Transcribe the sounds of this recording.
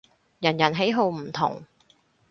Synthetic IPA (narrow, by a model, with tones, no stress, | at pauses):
jɐ˨˩njɐ˨˩nɦe˨˥jɦo˧wm̩˨˩t̪ʰʊ̰˨˩ŋ